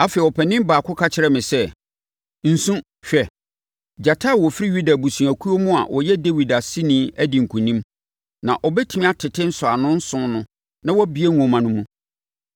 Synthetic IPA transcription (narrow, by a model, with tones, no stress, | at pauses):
a˦fɛ˨ɔ˨pʰɛ˨nɪ̃˦mbaː˨kʰʊ˦kʰa˦t͡ɕʰɪ˨ɾɛ˦mɪ̃˨sɛ˦ | n̩˨sũ˦ | ɕᶣɛ˨ | d͡ʑa˨tʰa˦˨wɔ˨fɪ˦ɾi˦ɥu˦da˨bu˨sũ˨æ˨kʰu˦o˦mʊ̃˦a̰˨wʔɔ˨jɛ˦de˦wi˨da˨si˦nĩː˦æ˦dĩ˨ŋ̩˨kʰũ˨nĩ˦m | nã̰˨ʔɔ˨bɛ˦tʰi˨mĩ˦a˦tʰɪ˨tʰɪ̃˦n̩˦sʊ˨a˨nʊ̃˦n̩˦sʊ̃˦nʊ̃˦ | nã˦wɔ˦bi˦e˦ŋ˨õ˨mã˨nʊ̃˦mũ˦